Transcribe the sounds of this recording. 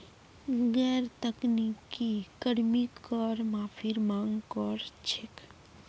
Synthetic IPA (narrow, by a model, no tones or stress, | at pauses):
ɡɛːɾt̪əknikikəɽmikɔɾmãpʰiɾmãŋɡkɔɾt͡ʃʰek